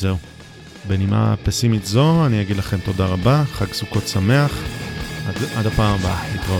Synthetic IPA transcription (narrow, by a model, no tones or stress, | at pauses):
zeu | benimʔa̰pesimitzo̞anijaɡidlaχe̞mt̪o̞daʁabaχaɡsuko̞tsame̞aχadadapaːmbamit̪ʁa